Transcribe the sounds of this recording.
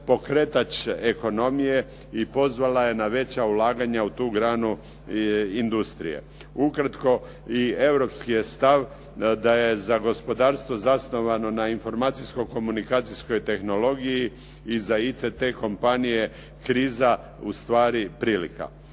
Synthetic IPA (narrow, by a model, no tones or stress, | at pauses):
po̞kɾet̪at͡ʃeko̞no̞mije̞ | ipo̞zʋalaje̞naʋe̞t͡ɕaulaːɡaɲaut̪uːɡɾaːnu | ind̪ust̪ɾḭje̞̰ | ukɾat̪ko̞ | ie̞ʋɾo̞pskije̞st̪aʋ | d̪aje̞zaɡo̞spo̞d̪aːɾst̪ʋo̞zasno̞ʋano̞nainfo̞ɾmaːt̪sisko̞ko̞munikaːt̪sisko̞jt̪e̞xno̞lo̞ɡijiː | zait̪set̪eko̞mpanije̞ | kɾiːza | ust̪ʋaːɾipɾiːlḭka̰